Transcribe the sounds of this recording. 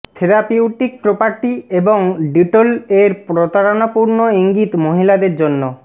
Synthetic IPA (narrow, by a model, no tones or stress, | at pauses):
t̪ʰeɾapiuʈik̚pɾopaɾʈieboŋɖiʈoleɾpɾot̪aɾonapuɾnoiŋɡit̪moɦilad̪eɾd͡ʑonːo